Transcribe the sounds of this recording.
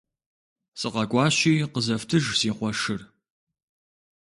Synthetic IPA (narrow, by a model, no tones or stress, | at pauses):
sʼɨqɐkʷʼɑːɕiːqəzɐftʰɨʒsiːχʷɔʂɨr